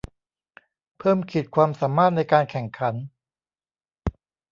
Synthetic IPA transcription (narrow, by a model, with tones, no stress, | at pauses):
pʰɤː˥˩mkʰi˨˩t̪̚kʰwaː˧msaː˩˦mːaː˥˩t̪̚na˧jkaː˧nkʰɛ˨˩ŋkʰa˩˦n